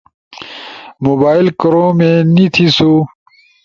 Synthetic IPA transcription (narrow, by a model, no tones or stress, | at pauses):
moːbaːilkɾõːmẽnit̪ʰisu